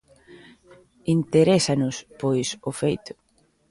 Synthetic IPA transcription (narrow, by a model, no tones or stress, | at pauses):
int̪eɾesanʊspojsofejt̪ʊ̥